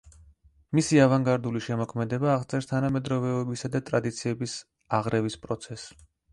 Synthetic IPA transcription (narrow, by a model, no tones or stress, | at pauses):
misiavaŋɡaɾd̪uliʃɛmɔkʰmɛd̪ɛbaːʁt̪sʰʼɛɾst̪ʰanamɛd̪ɾɔvɛɔbisad̪at̪ʼɾad̪it̪sʰiɛbis | aʁɾɛvispʼɾɔt̪sʰɛs